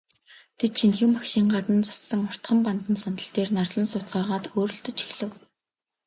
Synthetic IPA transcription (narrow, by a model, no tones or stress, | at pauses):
t̪ʰet̪ʃʰinxɘ̆mːakʃiːŋɢat̪ə̆nt͡sḁsːə̆ŋʊr̥t̪χə̆mpant̪ə̆nsanə̆ɬt̪eːrnarɮə̆nsʊt͡sɢaːʁaːt̪xoːɾɵ̆ɬt̪ɵ̆t͡ɕi̥xɮɘ̆w